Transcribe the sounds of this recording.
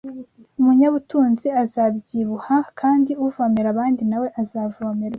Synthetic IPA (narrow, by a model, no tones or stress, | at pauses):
umuɲaβutuːnziazabɟiːβuhakʰaːndiuvameɾaβaːndinawe̞ʔazaːvomeɾ